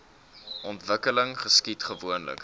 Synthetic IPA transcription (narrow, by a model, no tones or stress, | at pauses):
ʔɔntvəkələŋχəskitχəvuənlə̰k